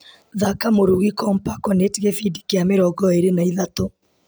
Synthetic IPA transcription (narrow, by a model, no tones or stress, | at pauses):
ðakamoɾuɣikɔmpakɔnetiɣefidi̥keameɾɔɣɔeɾenaiðato